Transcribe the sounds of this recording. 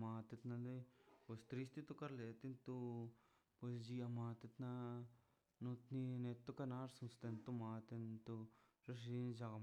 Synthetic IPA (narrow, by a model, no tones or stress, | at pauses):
mat̪et̪nãnd̪epost̪ɾist̪it̪ukaɾlet̪int̪u | pesd͡ʒiamãːt̪et̪na | nũt̪ninet̪ːukanaɾsunst̪ent̪umãt̪ent̪uɾeʂ̬ind͡ʒaɣa